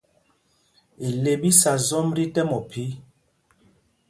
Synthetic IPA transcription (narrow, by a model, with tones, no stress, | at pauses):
i˨le˨bi˦sa˨zɔ˦mɾi˦tɛ˦mɔ˨pʰi˦